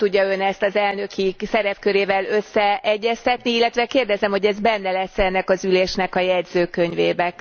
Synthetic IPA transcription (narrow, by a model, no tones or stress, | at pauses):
t̪uɟːɒønɛst̪ɒzɛlnø̞kisɛɾɛpkø̞ɾeːvɛlø̞sːɛɛɟːɛst̪ɛt̪niilːɛt̪ʋɛkeːrd̪ɛzɛmho̞ɟɛzbɛnːɛlɛsɛnːɛkɒzyleːʃnɛkɒjɛɟzøːkøɲveːbɛk